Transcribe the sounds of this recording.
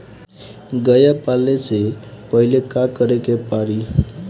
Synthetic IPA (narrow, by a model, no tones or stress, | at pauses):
ɡʌjapalːet͡sepʌɦilekakʌɾekepaɾi